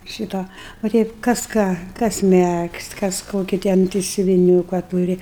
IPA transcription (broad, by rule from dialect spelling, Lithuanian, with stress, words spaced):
ˈʃʲiːtoː ʋɐ ˈtʲɛɪp kɐs ˈkɑː kɐs ˈmʲɛksʲtʲ kɐs ˈkoːkʲɪ ˈtʲɛn tɐɪ sʲʊʋʲɪˈnʲuːkɐ ˈtuːrʲɪ